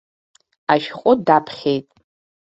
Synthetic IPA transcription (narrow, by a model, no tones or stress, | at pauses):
aʃχʷʼʊdapʰχʲejtʼ